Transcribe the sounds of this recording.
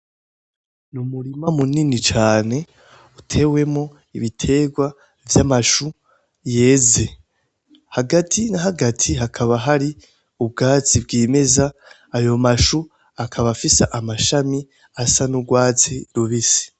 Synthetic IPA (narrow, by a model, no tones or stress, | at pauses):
numuɾimamuninit͡ʃaːne̞ | utʰe̞we̞mŋo̞ | iβitʰe̞ːɡwa | vjamaʃu | je̞ːze̞ | haɡatʰinaɦaɡatʰiɦakʰaβaɦaɾi | ub̚ɡaːt͡sibɡiːme̞zaː | jo̞maʃu | akʰaβafisaʔamaʃami | asanuɡwaːt͡siduβisi̥